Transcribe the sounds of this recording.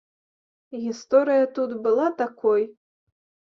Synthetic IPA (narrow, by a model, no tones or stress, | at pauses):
ɣʲist̪ɔɾɨjɐt̪ut̪bɨlˠat̪akɔj